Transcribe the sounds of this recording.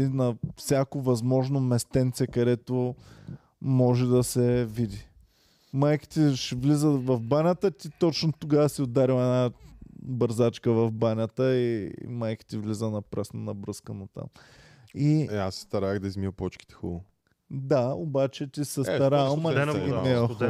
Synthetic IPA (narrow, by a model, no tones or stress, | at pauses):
inɐfsʲakovɐzmɔʒnomɛst̪ɛnt̪sɛkɐd̪ɛt̪o | mɔʒɛd̪ɐsɛvid̪i | majki̥t̪iʃvlizəvɐfbanʲət̪ət̪it̪ɔt͡ʃnot̪ʊɡavəsiod̪aɾiwɛna | bəɾzat͡ʃkəvɐfbanʲət̪əḭmajki̥t̪ivlizənɐpɾɛsnənɐbɾɤskənot̪a̰m | iɛasːɛ̥st̪ɐɾaəɣd̪ɐizmiəpɔt͡ʃki̥t̪ɛ̥xṵlˠʊ | d̪aobat͡ʃɛt̪ʲisɛst̪ɐɾamɐɡʲinɛ